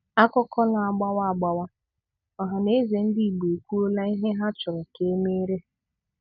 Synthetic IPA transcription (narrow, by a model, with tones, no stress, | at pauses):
a˦kɔ˦kɔ˦na˨a˨ɡ͡ba˦wa˦a˨ɡ͡ba˦wa˦ | ɔ˨ɦa˨ne˦ze˨n̩˦di˦i˨ɡ͡be˨kʷu˦o˦la˦i˦ɦe˦ɦa˦t͡ʃʊ˨ɾɔ˨ke˨˦me˦ɾe˦